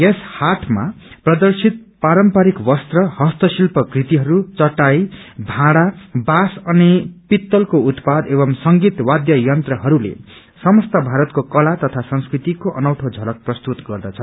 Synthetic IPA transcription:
jeshaʈʰma̰prʌd̪ʌrsit̪̚paɾʌmpaɾikwʌst̪rʌhʌst̪ʌsilpʌkrit̪iɦʌɾut͡sʌʈajbʱãɽabasʌnipit̪ːʌlkout̪pad̪ebʌmsʌŋɡit̪wad̪jʌjʌnt̪rʌɦʌɾulḛ | sʌmʌst̪abʱaɾʌt̪kokʌlat̪ʌt̪ʰasʌŋskrit̪ikoʔʌnʌwʈʰod͡zʱʌlʌk̚prʌst̪ut̪ɡʌrd̪ʌt͡sʰʌ

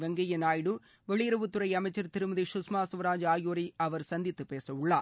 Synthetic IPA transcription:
ʋɛŋɡɐjɐnaːjɽɯ | ʋɛɭɪjɪɾɐʋɯt̪ːʊɾɐɪɐmɐɪt͡ʃːɐɾt̪ɪɾɯmɐðiʃʊsmaːsʋɐɾaːd͡ʒaːjoːɾiɐʋɐɾsɐnd̪ɪt̪ːɯpeːsɐɯɭːaː

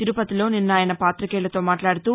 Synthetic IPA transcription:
t̪iɾupɐt̪ilo̞ːninːaːjɐnɐpaːt̪ɾɐkɛːlɐt̪o̞ːmaːʈlaːɽut̪uː

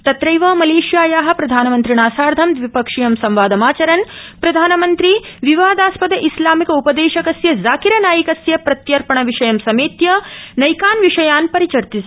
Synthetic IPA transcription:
t̪ɐt̪ɾɐjʋɐmɐleːʃjaːjaːɦɐ̆pɾɐd̪ʱaːnɐmɐnt̪ɾiɳaːsaːɾd̪ʱɐmd̪ʋipɐkʂijɐmsɐmʋaːd̪ɐmaːt͡ʃɐɾɐnpɾɐd̪ʱaːnɐmɐnt̪ɾiʋiʋaːd̪aːspɐd̪ɐʔislaːmikɐupɐd̪eːʃɐkɐsjɐzaːkiɾɐnaːjikɐsjɐpɾɐt̪jɐɾpɐɳɐʋiʂɐjɐmsɐmeːt̪jɐnɐjkaːnʋiʂɐjaːnpɐɾit͡ʃɐɾt̪is

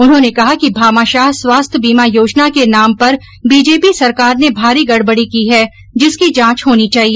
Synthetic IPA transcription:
ʊnɦõːnekɐɦakibʱaːmaːʃaːɦswaːst̪ʰjəbiːmajoːd͡ʒnakenaːmpɐɾ | biːd͡ʒeːpisɐɾkaːɾnebʱaːɾiɡɐɽbəɽikiɦɛ | d͡ʒɪskid͡ʒãːt͡ʃɦoːnit͡ʃaːɦieː

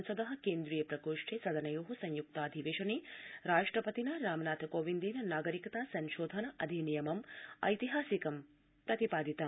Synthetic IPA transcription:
nsɐd̪ɐɦɐkeːnd̪ɾijɐpɾɐkoːʂʈʰeːsɐd̪ɐnɐjoːɦusɐɲjuk̚t̪aːd̪ʱiʋeːʃɐniːɾaːʂʈɾɐpɐt̪inɐɾaːmɐnaːt̪ʰɐkoːʋind̪iːnɐnaːɡɐɾikɐt̪aːsɐnʃoːd̪ʱɐnɐʔɐd̪ʱinijɐmɐmɐ̰jt̪iɦaːsikɐm | pɾɐt̪ipaːd̪ʱit̪ɐ

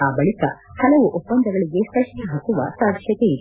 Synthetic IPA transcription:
aːbɐɭikɐ̰hɐlɐʋuʔopːɐnd̪ʱɐɡɐɭiɡest̪ɐʂɦɐkuʋɐ̰saːd̪ʃjɐt̪e

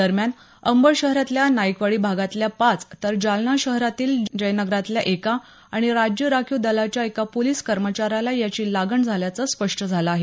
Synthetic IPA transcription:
əɾmjan | əmbəɭɕəɦɾat̪ljanaikʋaɭiːbʱaɡat̪ljapat͡st̪əɾd͡ʑalnaɕəɦɾat̪iːld͡ʑəjnəɡɾat̪ljaʔeka | aɽ̃iɾad͡ʑjəɾakʰjud̪əlat͡ɕjaekapoliːskəɾmət͡ɕaɾalajat͡ɕiːlaɡəɳd͡zʱaljat͡səspəʂʈəd͡zʱalaaɦe

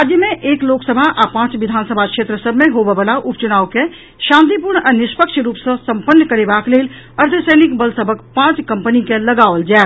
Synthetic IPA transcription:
aːd͡ʒ̪jəmẽʔeːkloːksəbʱaʔapãːt͡ʃʋɪd̪ʱaːnsəbʱakʃeːt̪ɾəsəbʱmẽɦoːbebəlaʔʊpt͡ʃʊnaːwke | ʃãːnt̪̬ip̬uːɾɳənɪʃpəkʃɾuːpsəsə̃mpənːkəɾebaːkleːl | ɐɾt̪ʰəsəːnɪkbəlsəbʱəkpãːt͡ʃkɐ̃mpənikelɐɡaːʋəld͡ʒaː

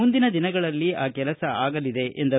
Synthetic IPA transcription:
und̪inɐd̪inɐɡɐɭɐlːiaːkɛlɐsɐaːɡɐlid̪e̞ʔend̪ɐ

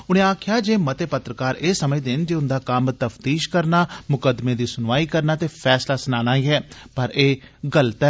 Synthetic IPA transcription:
ʊnẽːaːkʰjaːd͡ʒeːmət̪eːpət̪ɾəkaːɾeːsəmẽːd̪ɪnd͡ʒeːʊnd̪aːkəmt̪əpʰt̪iːʃkəɾnaːmʊkəd̪meːd̪iːsʊnʋaːiːkəɾnaːt̪eːpʰɛːslaːsnaːnãːiːɦɛːpəɾeːɡəlt̪ɛ

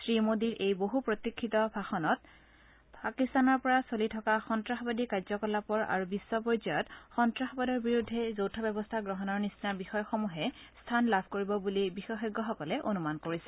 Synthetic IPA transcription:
sɹimodiɹʔejboɦupɹot̪ikʰːitɔbʱaxɔnɔt | pakistanɔɹpɔɹasolitʰɔkaxɔntɹaxɔbadikaɹzɔkɔlapɔɹa̰ɹubisːɔpɔɹzajɔtxɔntɹaxɔbadɔɹbiɹudʱːɛzowtʰɔbɛbɔstʰaɡɹɔɦɔnɔɹnisinabixɔjɔxomuɦɛstʰanlabʱkoɹibɔbulibixɔxɔɡːɔxɔkɔlɛʔonumankoɹisɛ̥

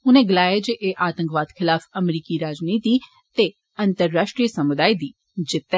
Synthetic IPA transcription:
ʊnẽɡɪlaːjed͡ʒeːʔeʔaːt̪ə̃ŋkʋaːd̪kʰɪlaːfɐmɾiːkiɾaːd͡ʒniːt̪i | t̪e | ɐ̃nt̪əɾːaːʃʈɾiːəsɐmʊd̪aːid̪iː | d͡ʒɪt̪ːe

